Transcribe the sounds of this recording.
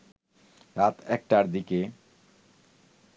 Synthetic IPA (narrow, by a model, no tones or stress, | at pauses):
ɾat̪ɛk̚ʈaɾd̪ike